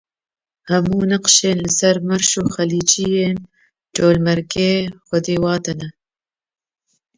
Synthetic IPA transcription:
hɐmuːnɨqʃeːnlɨsɐɾmɐɾʃoːxɐliːd͡ʒijeːn | toːlmɐɾkeːxʷʊd̪eːwɑːt̪ɐnɐ

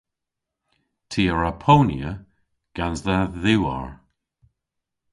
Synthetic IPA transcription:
tʰiːəɹapʰownjə | ɡ̥anzðaðʉwa̰ɹ

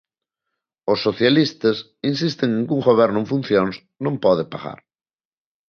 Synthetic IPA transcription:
osːoθjalist̪ɐs | insist̪eŋeŋkuŋɡoβ̞ɛɾnʊẽɱfun̟θjoŋs | nõmpɔðepaɣa̰ɾ

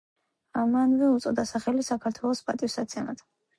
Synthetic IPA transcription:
amanvɛut̪sʼɔd̪asaχɛlisakʰaɾt̪ʰwɛlˠɔspʼat̪ʼifsat̪sʰianat̪ʰ

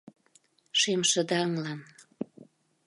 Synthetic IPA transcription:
ʃemʃə̆d̪ɑəŋlɑn

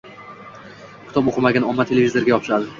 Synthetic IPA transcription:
kʲʰɪ̥t̪ɒpoqʰɨmaɡʲanɒmːat̪ʰe̞levʲizoɾɡʲajɒpʰʃad̪ɪ

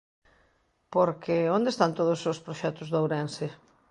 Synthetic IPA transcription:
poɾkeond̪est̪ant̪oð̞ʊsospɾoʃɛt̪ʊzðowɾɛnsɪ

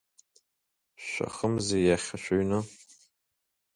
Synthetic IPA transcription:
ʃʷa̰χəmzejaχʲaʃʷᶣoɥnɨ

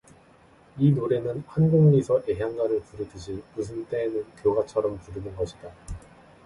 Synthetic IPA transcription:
inoɾe̞nɯnhanɡoŋɲisʰʌʔe̞ɦjaŋɡaɾɯɭpuɾɯdɯd͡ʑimusʰɯnt͈e̞ːnɯnkjoɡat͡ɕʰʌɾʌmpuɾɯnɯnɡʌɕʰida

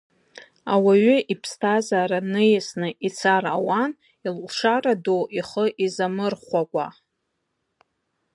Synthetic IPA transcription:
awaɥʏʔipʰstʰazaːɾanɨjɪsnɨʔit͡sʰarawan | ilʂaradoʔiχəʔizamɨrχʷakʷʼa̰

